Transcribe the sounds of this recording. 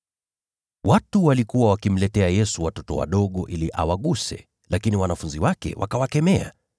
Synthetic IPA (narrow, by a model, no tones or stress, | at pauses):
watuwalikuwawakim̩lɛtɛajɛsuwatɔtɔ̰wa̰ɗɔɠɔʔiliʔa̰waɠusɛ̰ | lakiniwanafunziwakɛ̰wʔa̰kawakɛmɛa̰